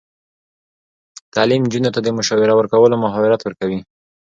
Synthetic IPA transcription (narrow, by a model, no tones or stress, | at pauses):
t̪ɑlimnd͡ʒunot̪ad̪əmʊʃɑwɪɾawəɾkawəlomʊɦɑwɪɾat̪wəɾkawi